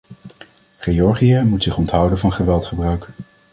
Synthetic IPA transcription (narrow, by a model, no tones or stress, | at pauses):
χeɔɹχiəmutsɪχɔntɦʌwdənvɑnχəʋɛlˠtχəbrœɥk